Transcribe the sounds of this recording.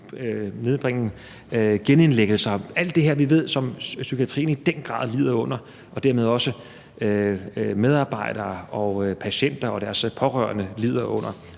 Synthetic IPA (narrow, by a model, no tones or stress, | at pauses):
ne̝ðˠb̥ʁeŋ̰n̩ | ɡ̥ene̝nleɡ̥l̩sɐæl̰d̥ːe̝ɦɛɐ̰ʋiʋe̝ð̞̰ˠsɒ̽msykʰiæt͡sʰʁḭːn̩id̥en̰ɡ̥ʁɑ̰̈ðˠliːð̞̰ˠɐɔ̽n̰ɐ | ʔɒ̽d̥æɐme̝ð̞ˠɒ̽sə | ømeð̞ˠɑ̈ːb̥ɑ̈ɪ̰ɾ̥ɐːɒ̽pʰæɕen̰d̥ɐɒ̽d̥æɐspʰɒ̽ʁɶɐnəliːð̞̰ˠɐʔɔ̽n̰ɐ